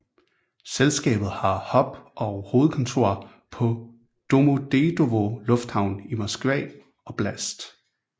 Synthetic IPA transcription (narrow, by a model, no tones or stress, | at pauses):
selsɡ̥ɛ̰ːb̥ð̞̩ˠhɑ̈hɒ̽b̥ʔɒ̽ʊho̝ːð̩ˠkʰɒ̽nt͡sʰo̝̰ɐ̰ | pʰɒ̽ | d̥o̝mod̥e̝d̥o̝ʋolɔ̽fd̥hɑ̈ʊ̰nimɒsɡ̥ʋɛ | ɒ̽b̥læsd̥